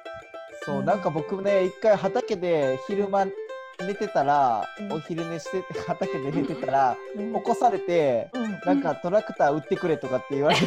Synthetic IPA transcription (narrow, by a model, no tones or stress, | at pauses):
so̞ːnãŋkabo̞kɯ̟neikːaiɦat̪ake̞d̪e̞çiɾɯ̟ma | ne̞t̪e̞t̪aɾaoçiɾɯ̟meɕi̥t̪e̞t̪ehat̪ake̞d̪e̞net̪e̞t̪aɾao̞ko̞saɾe̞t̪e̞nãŋkat̪o̞ɾakɯ̟̥t̪aːɯ̟t̪ːe̞kɯ̟ɾe̞t̪o̞kat̪ːe̞iβae